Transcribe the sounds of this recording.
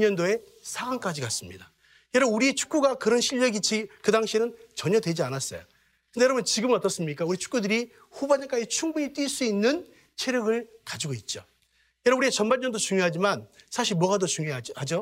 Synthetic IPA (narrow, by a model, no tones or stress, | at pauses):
ɲʌndoe̞ | sʰaɡaŋk͈ad͡ʑikas͈ɯmɲḭda | jʌɾʌbnuɾiet͡ɕʰu̥k͈uɡakɯɾʌnɕʰiʎːʌɡit͡ɕʰikɯdaŋɕʰinɯnt͡ɕʌɲʌdwe̞d͡ʑianas͈ʌ̰jo̰ | kɯndejʌɾʌbunt͡ɕiɡɯmnʌt͈ʌs͈ɯmɲik͈auɾit͡ɕʰu̥k͈udɯɾi | ɸubaɲʌk͈ad͡ʑit͡ɕʰuŋbuɲit͈ɥiɭs͈uinːɯn | t͡ɕʰeɾjʌɡɯɭkad͡ʑiɡoit̚t͡ɕ͈o | jʌɾʌbuɾieat͡ɕʌnbaɲʌndot͡ɕuŋjoɦad͡ʑimansʰaɕʰiɭmwʌɡadot͡ɕuŋjohad͡ʑo